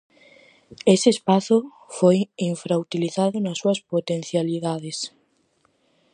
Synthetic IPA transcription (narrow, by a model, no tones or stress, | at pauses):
eseːspaθʊ | fojiɱfɾaut̪iliθaðʊnɐsːuɐspot̪ẽn̟θjaliðaðes